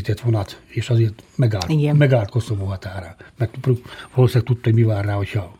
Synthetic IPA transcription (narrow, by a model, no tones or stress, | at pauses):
it̪ɛt̪ʋonɑt̪eːʃɒzeːrt̪mɛɡaːliɡɛmɛɡaːlt̪kost̪omoɦɒt̪aːɾɒmɛk̚t̪profolsɛk̚t̪ut̪ːomiʋaːrːaːhocʰhɒ